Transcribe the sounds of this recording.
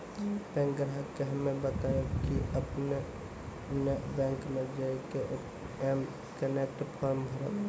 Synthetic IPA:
bɛ̃ŋkɡɾɦakːeɦəmebət̪ajokiəpne | nebɛ̃ːŋkmed͡ʒaikeʔ | m | kənek̚ʈpʰɔɾmbʱəɾə̰t̪

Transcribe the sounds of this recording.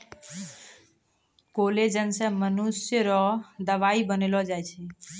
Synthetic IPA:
koled͡ʒənsə̃mənusjəɾɔd̪əʋaibənelɔd͡ʒajt͡ʃʰɛ

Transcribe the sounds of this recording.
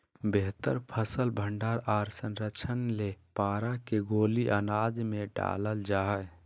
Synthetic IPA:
beɦt̪əɾpʰəsəlbʱəɳɖaɾaɾsənɾəkt͡ʃʰənlepaɾakeɡoliʔənad͡ʒmeɖa̰ləld͡ʒaɦɛj

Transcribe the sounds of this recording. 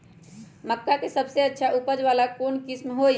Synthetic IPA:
məkːakesəbseətːʃʰaʔupəd͡ʒʋaːlakoːnkɪsmɦo

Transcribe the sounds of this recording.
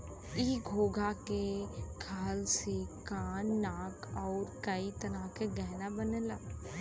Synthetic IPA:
iːɡʱoːɡʱakekʰaːlsekaːnːaːkɔːɾkəit̪ɐnakeɡɛːnabənela

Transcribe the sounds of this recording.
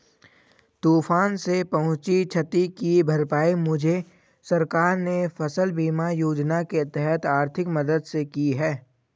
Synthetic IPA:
t̪uːfaːnsepɐɦʊ̃t͡ʃit͡ʃʰɐt̪ikibʱɐɾpaːimʊd͡ʒʱe | sɐɾkaːɾnefɐsəlbiːmajoːd͡ʒnaket̪ɛɦɛt̪aːɾt̪ʰɪkmɐd̪əd̪sekiɦɛː

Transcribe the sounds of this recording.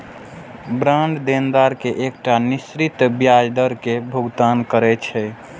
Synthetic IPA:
bɾãɳɖd̪end̪aɾkeʔekʈanisɾit̪bjad͡ʒd̪əɾkebʱuɡt̪ankəɾɛt͡ʃʰɛ

